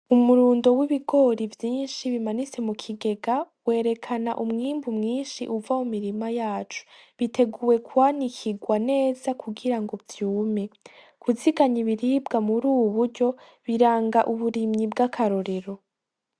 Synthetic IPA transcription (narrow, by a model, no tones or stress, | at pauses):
umuɾuːndo̞wiβiɡo̞ɾivjiːnʃiβimanit͡se̞mukʰiɡe̞ɡa | we̞ːɾe̞kʰana̰ʔumŋiːmbumŋiːnʃḭʔuvamumiɾimajaːt͡ʃu̥βitʰe̞ɡuwe̞kʰuwanikʰiɡwane̞ːzakuɡiɾaŋɡo̞vjuːme̞ | kuziɡaɲiβiɾiːbɡamuɾuːwuβuɾɟo̞ | βiɾaːŋɡaʔuβuɾimɲibɡakʰaɾoɾe̞ɾo̞